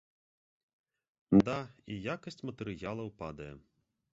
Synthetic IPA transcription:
d̪aijakɐsʲt͡sʲmɐt̪ɛɾɨjalˠɐwpa̰d̪ɐjɛ̰

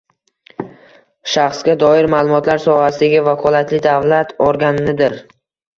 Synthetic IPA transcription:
ʃaχsɡʲad̪ɒɪɾmaːlˠʊmɒt̪laɾsɒhasɪd̪aɡʲɪvakʰɒlˠat̪ʰlɪd̪avlat̪ʰoɾɡʲanɪnɪd̪ɪɾ

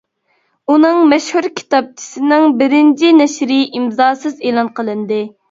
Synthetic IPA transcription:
unɨŋmɛʃhuɾkʲʰi̥t̪ɑp̚t͡ʃʰi̥sɪnɪŋbɪɾɪnt͡ʃʰinɛʃɾɪʔimzɑːsɨzeːlˠɑnqʰəlˠɨnd̪ɨ

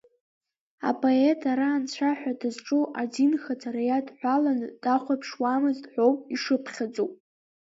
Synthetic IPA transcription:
a̰pʼo̞e̞tʰaɾaːnt͡ɕʷʰaħʷᶣadɨzʈ͡ʂʼuʔad͡zinxad͡zʰʼaɾajadħʷalanɨd̥aχʷapʰʂwamɨzdħʷo̞wpʼiʂɨpʰχʲad͡zʼowpʼ

